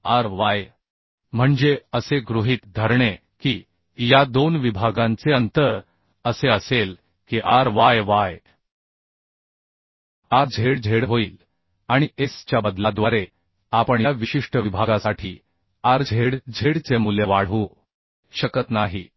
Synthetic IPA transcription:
aɾʋaj | m̤əɳd͡zeəseɡɾuɦiːt̪d̪ʱəɾɳe | kiː | jad̪onʋibʱaɡãnt͡seənt̪əɾ | əseəsel | kiʔaɾʋajʋaj | aɾd͡zʱeɽd͡zʱeɽɦoiːl | aɽ̃iest͡ɕjabəd̪lad̪ʋaɾe | apəɳjaʋiɕiʂʈəʋibʱaɡasaʈʰiː | aɾd͡zʱeɽd͡zʱeɽt͡semuljəʋaɭ̤ʋu | ɕəkət̪naɦiː

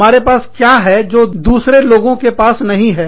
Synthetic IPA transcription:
aːɾepaːskjaːɦɛd͡ʒoːd̪uːsɾeloːɡõkepaːsnɐɦĩɦɛː

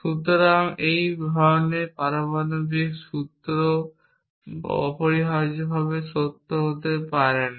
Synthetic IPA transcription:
ʃut̪oɾaŋejbʱɔonepaɾobanobikʃut̪ɾo | poɾiɦaɾd͡ʑobʱaβeʃot̪ːoɦot̪epaɾen

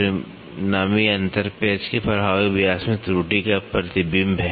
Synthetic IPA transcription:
ɾɪ | naːmiɐ̃nt̪əɾpeːd͡ʒkepɐɾɦaːʋebɪjaːsmẽt̪ɾuːʈikapɾɐt̪ibɪmbʱɛ

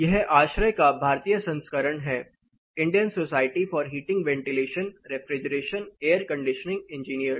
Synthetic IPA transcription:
jɛɦaːʃɾəjkabʱaːɾt̪ijəsɐ̃nskəɾəɳɦɛː | ɪ̃ɳɖijənsoːsaːɪʈifɔːɾɦiːʈɪ̃ŋɡʋɛ̃ːɳʈɪleːʃənɾefɾɪd͡ʒəɾeːʃəneːəɾkɐ̃ɳɖɪʃənɪ̃ŋɡɛ̃ɲd͡ʒiːniəɾs

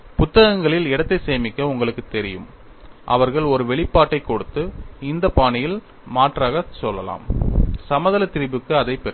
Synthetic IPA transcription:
pʊt̪ːɐɣɐŋɡɐɭɪlɛɽɐt̪ːɐɪseːmɪkːɐʊŋɡɐɭɯkːɯt̪ːɛɾɪjɯ̰m | ʔɐ̰ʋɐɾɣɐɭɔɾɯʋɛɭɪpːaːʈːɐɪkːɔɽɯt̪ːɯɪnd̪ɐpaːɳɪjɪl | maːʈraːɣɐsɔlːɐla̰ːmsɐmɐðɐlɐt̪ːɪɾɪbɯkːɯɐðɐɪpːɛ

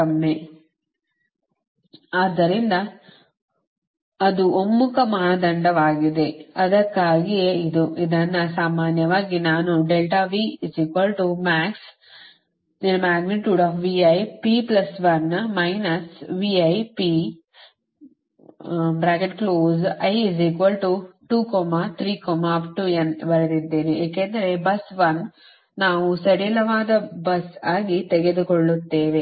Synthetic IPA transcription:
ɐmːe | aːd̪ːɐɾind̪ɐ | d̪uomːukɐmɐɦad̪ɐɳɖɐʋaːɡid̪e̞ɐd̪ɐkːaːɡieid̪uʔid̪ɐnːɐsaːmaːnjɐʋaːɡinaːnuɖelʈaʋiisikʋɐlʈumaːks | ninmaːɡniʈjuːɖaːfʋiɐjpiːplɐsʋɐnmɐjnɐsʋiːɐjpi | bɾaːkeʈkloːzɐjiziːkʋɐlʈuʈuːkɔːmat̪ʰɾiːkɔːmaɐpʈuenbɐɾɐd̪id̪ːeːnieːkend̪ɐɾebɐsʋɐn | naːʋusɐɽelɐʋaːd̪ɐbɐsaːɡit̪eɡed̪ukɔɭːut̪ːe̞ːʋe

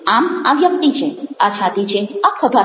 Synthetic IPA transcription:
amaʋjək̚t̪it͡ʃʰeat͡ʃʰat̪it͡ʃʰeakʰəbʱa

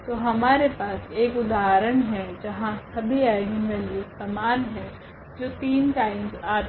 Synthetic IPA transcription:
t̪oːɦɐmaːɾepaːseːkʊd̪aːɾəɽ̃ɦɛd͡ʒɐɦãsɐbʱiaːɪɡimbɛliʊst̪ɐmaːnɦɛ̃ | d͡ʒoːt̪iːnʈaːɪmzaː

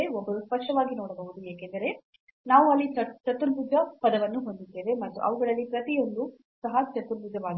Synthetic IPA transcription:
eɔbːɐɾuspɐʂʈɐʋaːɡinoːɽɐbɐʋud̪ujeːkend̪ɐɾe̞ | naːʋuɐlːit͡ʃɐt͡ʃɐt̪uɾbud͡ʒɐpɐd̪ɐʋɐnːuɦo̞nd̪id̪ːeːʋe̞mɐt̪ːuʔɐ̰ʋɐɡɐɭɐlːipɾɐt̪ijo̞nd̪u | sɐɦɐt͡ʃɐt̪uɾbud͡ʒɐʋaːɡi

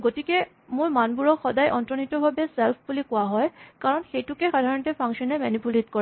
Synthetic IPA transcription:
ɡotike | mʊɹmanbuɹɔkxɔdajʔɔntɹɔnitɔbʱabeselpʰbulikʊaɦɔjkaɹɔnxejtukexadʱaɹɔntepʰaŋʃɔnɛmɛnipuletkɔ

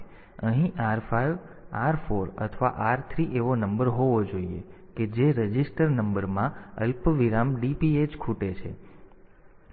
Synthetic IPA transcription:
əɦĩʔaɾfaiʋ | aɾfoɾə̰t̪ʰʋa̰ʔaɾt̪ʰɾiʔeʋonəmbəɾɦoʋod͡ʒoiḛ | ked͡ʒeɾəd͡ʒisʈəɾnəmbəɾmãə̰lpəʋiɾamɖipied͡ʒkʰuʈet͡ʃʰḛ

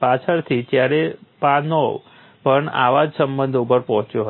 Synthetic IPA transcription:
pat͡ʃʰəɾt̪ʰitjaɾepano | pəɳa̰ʋad͡ʒsəmbənd̪ʱupəɾpɔɦɔ̃t͡ʃjoɦ

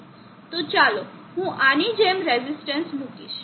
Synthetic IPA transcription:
t̪ot͡ʃalo | ɦũʔanid͡ʒemɾɛzisʈənsmukiʃ

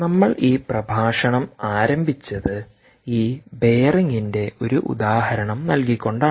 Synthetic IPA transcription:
nɐmːɐɭiːprɐbʱaːʂɐɳɐmaːɾɐmbʱit͡ɕːɐðɨ | iːbe̞ːrɐŋːinde̞o̞ɾuʔṵd̪aːɦɐɾɐɳɐmnɐlkikʲːo̞ɳɖaː

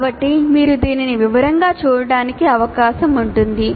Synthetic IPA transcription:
bɐʈːimiːɾud̪iːniniʋiʋɐɾɐŋɡaːt͡ʃuːɾɐɽaːnikiɐʋɐkaːʃɐmuɳʈund̪i

